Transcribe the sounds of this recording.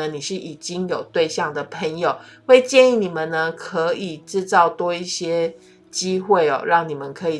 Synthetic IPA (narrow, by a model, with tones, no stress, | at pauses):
ə˦ni˨˩ʂɻ̩˥˩ʔi˨˩t͡ɕi˦ŋjo˨˩ʊt̪we˥˧ɪɕjɑ˥˩ŋd̪ə˨˩pʰə˧˥ŋjo˨˩ʊwe˥˧ɪt͡ɕjɛ˥˧ni˥˩ni˨˩mə˨nnə˧kʰɤ˧˦˥i˨˩ʈ͡ʂɻ̩˥˧t͡sɑ˥˩ʊt̪wɔ˥i˥˩ɕjɛ˥ | t͡ɕi˦˥xwe˥˩ɪɔ̰˨˩ɻɑ˥˩ŋni˨˩mə˨nkʰɤ˧˦i˨˩